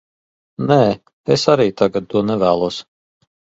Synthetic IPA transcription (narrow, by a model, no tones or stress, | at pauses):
nɛː | esaɾiːt̪aɡat̪̚t̪uɔnɛvæːlˠuɔs